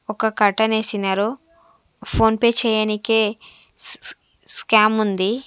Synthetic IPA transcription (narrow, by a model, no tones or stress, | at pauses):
ɔkɐkɐɾʈɐne̞ːsinaːɾu | pʰo̞ːnpeːt͡ʃɛːjanikeː | skaːmund̪i